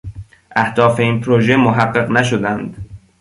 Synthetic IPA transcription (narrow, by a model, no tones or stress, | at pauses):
ʔæhd̪̥ɒːfe̞iːnpʰɾoʒe̞moɦæɢːeɢnæʃod̪ænd̪